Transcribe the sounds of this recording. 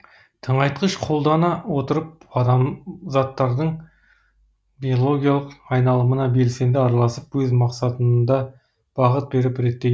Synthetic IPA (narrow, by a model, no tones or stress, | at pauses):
t̪ʰəɴɑjt̪qəʃqʰo̞lˠd̪ɑnɑwo̞t̪əɾəp̚ɑd̪ɑmzɑt̪ːɑɾd̪əɴ | bijo̞lˠo̞ɡʲijɑlˠəqɑjnɑlˠəmənɑbe̞lse̞nd̪ɪɑɾɑlˠɑsəpwɵzmɑqsɑt̪ənd̪ɑ | b̥ɑʁət̪̚be̞ɾɪpɾe̞t̪ːe